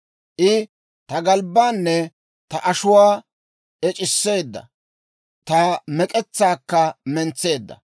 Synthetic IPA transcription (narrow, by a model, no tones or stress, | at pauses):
ʔɪ | t̪ɐɡɐlbːaːnːɛ | t̪ɐʔɐʃʊwaː | ʔɛt͡ʃʼɪsːe̞ːd̪ːɐ̰ | t̪ɐmɛkʼɛt͡sːaːkːɐmɛnt͡sːe̞ːd̪ːɐ̰